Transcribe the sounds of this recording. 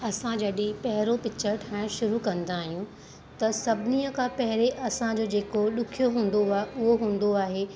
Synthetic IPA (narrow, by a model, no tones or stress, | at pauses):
ɐsãd͡ʑɐɗẽpɐɦɪɾopɪt͡ɕəɾʈʰaːɽ̃ʃʊɾukɐ̃nd̪aːɦijũ | t̪ɐsɐbʱɪniəkʰãpɐɦɪɾeʔɐsãd͡ʑoːd͡ʑeːkoɗʊkʰijoɦũːn̆d̪oaːʔʊɦoɦũːn̆d̪oaːɦe